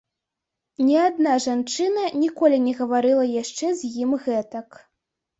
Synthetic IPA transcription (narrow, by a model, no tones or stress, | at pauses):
nʲɛad̪naʐant͡ʂɨnɐnʲikɔlʲinʲɛɣɐvaɾɨlˠɐjaʂt͡ʂɛzʲjimɣɛt̪ɐk